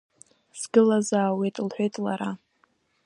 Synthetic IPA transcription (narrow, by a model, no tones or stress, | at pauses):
sɡɨlazaːwejtʼlħʷᶣejtʼlaɾa